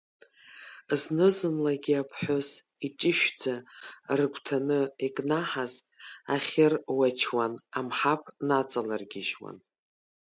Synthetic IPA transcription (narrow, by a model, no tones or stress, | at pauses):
znɨzɨnlaɡʲiapʰħʷᶣoz | it͡ʃʼɪʃᶣd͡zarɨkʷʰtʰanɨikʼnaħaztʼaχʲɪrwat͡ʃʰwanamħapʰʼnat͡sʼalarɡʲɪʒwa̰n